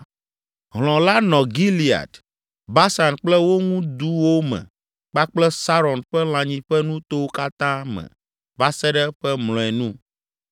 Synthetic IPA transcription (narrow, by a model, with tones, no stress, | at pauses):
ɦlɔ̃˨la˦nɔ̃˨ɡi˦li˨a̰˨t̪ | ba˦sa˨nk͡plɛ˦wo˦ŋũ˦d̪u˦wo˦mɛ̰̃˨ | k͡pa˦k͡plɛ˦sa˦ɾɔ˨nɸɛ˦l̃ã˨ɲĩ˨ɸɛ˦nũ˦t̪o˦wo˦ka˦t̪ã˦mɛ̰̃˨ | ba˦sɛ˦ɖɛ˦ɸɛ˦mlɔ̃˨ɛ˨nũ˦